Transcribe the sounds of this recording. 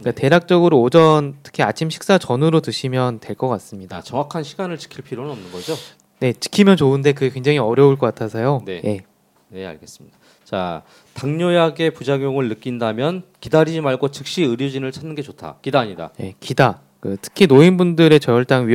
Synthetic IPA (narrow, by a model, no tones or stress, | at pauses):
kate̞ɾak̚t͡ɕ͈ʌɡɯɾoːd͡ʑʌntʰɯ̥kʰiat͡ɕʰimɕʰi̥k̚s͈at͡ɕʌnɯɾotɯɕʰimjʌntwe̞ɭk͈ʌk͈as͈ɯmɲidat͡ɕʌŋwakʰanɕʰiɡanɯɭt͡ɕi̥kʰiɭpʰiɾonɯnʌmnɯnɡʌd͡ʑo | ne̞t͡ɕi̥kʰimjʌnt͡ɕoɯnde̞k̬ɯkweŋd͡ʑaŋɦiʌɾjʌuɭk͈ʌk͈atʰasʰʌjone̞je̞ | ne̞a̰ɭɡe̞s͈ɯ̥mɲida | t͡ɕa | taŋɲojaɡe̞pud͡ʑaɡjoŋɯɭnɯk͈indamjʌnkidaɾid͡ʑimaɭɡot͡ɕɯk̚ɕ͈iɯɾjod͡ʑinɯɭt͡ɕʰanːɯnɡe̞t͡ɕotʰa̰kidaɲida̰je̞̰kida | kɯtʰɯ̥kʰinoinbundɯɾe̞t͡ɕʌjʌɭt͈aŋɥi